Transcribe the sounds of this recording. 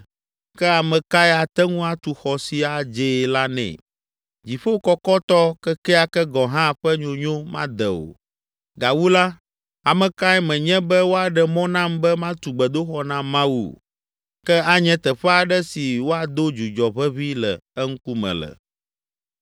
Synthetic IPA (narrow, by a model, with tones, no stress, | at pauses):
kɛ˦a˨mɛ̃˨ka˦ɛ˦a˨t̪ɛ˦ŋũ˦a˨t̪u˨xɔ˨si˨a˨d͡ʒe˨la˦nɛ̰̃˨ | d͡ʑi˨ɸo˦wkɔ˦kɔ˦t̪ɔ˦kɛ˦kɛ˦a˨kɛ˦ɡɔ̃˨ɦã˦˨ɸɛ˦ɲõ˨ɲõ˦mã̰˦d̪ɛ˨o̰˨ | ɡa˨wu˦la˦ | a˨mɛ̃˨ka˦ɛ˦mɛ̃˨ɲɛ̃˦bɛ˦wo˦a˨ɖɛ˦mɔ̃˦nã˦mbɛ˦mã˦t̪u˨ɡ͡bɛ˨d̪o˦xɔ˦nã˦mã˦wṵ˨ | kɛ˦a˦ɲɛ̃˦t̪ɛ˨ɸɛ˦a˨ɖɛ˦si˨wo˦a˨d̪o˦d͡ʒu˨d͡ʒɔ˨βɛ˦βi˦lɛ˨ɛ˦ŋ̩˦ku˦mɛ̰̃˨lɛ̰˨